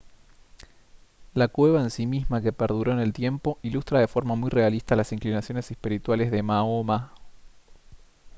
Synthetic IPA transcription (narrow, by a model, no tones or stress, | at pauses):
lakwe̞βaensimizmakepeɾðuɾo̞ene̞lt̪je̞mpo̞ilust̪ɾaðe̞fo̞ɾmamujre̞alist̪alasiŋklinasjo̞nesespiɾit̪walezðemaoma